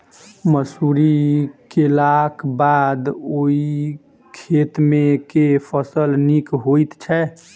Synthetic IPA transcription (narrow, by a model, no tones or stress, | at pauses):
məsuɾikelakbad̪oi | kʰet̪mekepʰəsəlnikɦojt̪t͡ʃʰɛ